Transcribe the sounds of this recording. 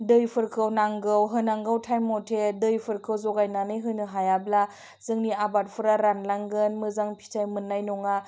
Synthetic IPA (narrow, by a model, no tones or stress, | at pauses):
dɯjpʰɯɾkʰɯwnaŋɡɯwɦɯnaŋɡɯwtʰajmɔtʰedɯjpʰɯɾkʰɯwzɔɡajnanɯjɦɯjnɯɦajabla | z̥ɯŋniabat̚pʰɯɾaɾanlaŋɡɯnmɯzaŋpʰi̥tʰajmɯnːajnɔŋa